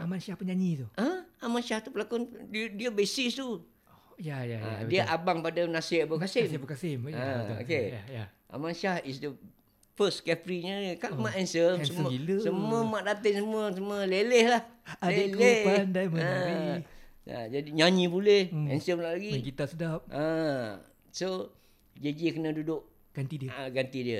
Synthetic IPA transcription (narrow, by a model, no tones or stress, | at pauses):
amanʃahpəɲaɲit̪uaamanʃaht̪upəlakonddiəbesist̪u | jajaa̰diəʔabaŋpadanasbəkasɪmbəkasɪmão̰kejaʔa̰manʃahisdə | fəskɛfɾiɲəikaʔmaʔɛnsəmsəiləsəmuəmaʔdat̪əŋsəmuəsəmuəlelehlaheleandaməa | a̰d͡ʒadiɲãɲĩbulehɛnsəmlaʔlaɡiɡit̪aʔsədap̚ʔa | so | d͡ʒed͡ʒikənadudʊʔ | ɡ̥ant̪idəɡant̪idiə